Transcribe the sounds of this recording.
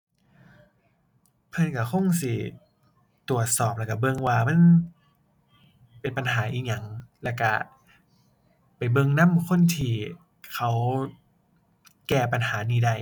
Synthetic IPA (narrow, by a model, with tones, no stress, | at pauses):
pʰɤ˧nka˧˩kʰo˧˥˨ŋsi˧˦ | t̪u˨˩ət̪̚sɔː˨˩p̚lɛ˧˩ka˧˩bɤ˧ŋwaː˧ma˧˥˨n | pe˧npa˧nɦaː˩˦ʔiː˧˩k̚ɲa˧˩ŋlɛː˧˩wka˧˩ | pa˨˩jbɤ˧ŋna˧˥˨mkʰo˧˥˨nt̪ʰiː˧˩ | kʰa˦w | kɛː˧˩pa˧˨nhaː˩˦niː˧˩da˧˩j